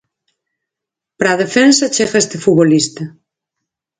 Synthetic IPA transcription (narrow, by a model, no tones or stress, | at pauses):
pɾaːðefensat͡ʃeɣaest̪efuβolist̪ɐ